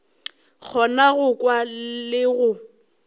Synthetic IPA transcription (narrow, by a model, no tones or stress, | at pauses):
k͡xʰɔnaɣʊkʼwalɪɣʊ